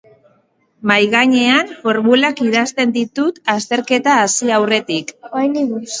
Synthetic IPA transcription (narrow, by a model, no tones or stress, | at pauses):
majɣaɲe̞anfo̞ɾmulakiðast̪e̞nd̪it̪ut̪ast̪e̞ɾke̞t̪aːsiawre̞t̪ikjniɣu